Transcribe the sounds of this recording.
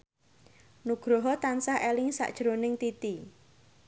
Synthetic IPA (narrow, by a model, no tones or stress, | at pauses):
nuɡ̥ɾoɦɔt̪ansahʔelɪŋsa̰ʔd̥ʒ̥ɾonɪŋt̪it̪i